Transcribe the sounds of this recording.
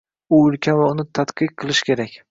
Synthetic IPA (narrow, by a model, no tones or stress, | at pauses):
ʊʊlkʲʰanvaʊnɪt̪ʰat̪qɨq̚qʰɨlˠɪʃkʲe̞ɾakʲ